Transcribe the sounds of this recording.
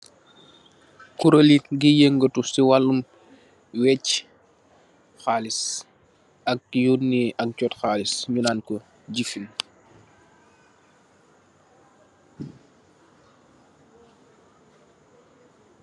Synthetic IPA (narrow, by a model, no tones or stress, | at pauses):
kuɾəliɡijeŋɡətusiwalːum | wɛc | xaːlis | ɐk̚junːiʔɐk̚cɔːtxaːlisɲunaːnkɔ | ɟifin